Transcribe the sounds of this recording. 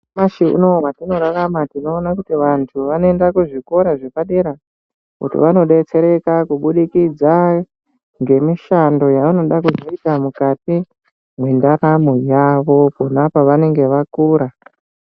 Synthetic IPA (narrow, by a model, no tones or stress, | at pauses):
maʃiṵno̞atino̞ɾaramatino̞ːnakutiʋantʰuʋanoe̞ndakuʐiko̞ɾaʐepaɗe̞ɾa | kṵtḭʋano̞ɗe̞t͡se̞ɾe̞kakuɓuɗikid͡za | ŋɡe̞miʃando̞jauno̞ɗakuzoitamukati | mwe̞ndaɾamojaʋo̞punapaʋane̞ŋɡe̞ʋakuːɾa